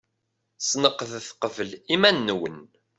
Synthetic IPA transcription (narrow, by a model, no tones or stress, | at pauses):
snəqːəθθqəvəlimænːwən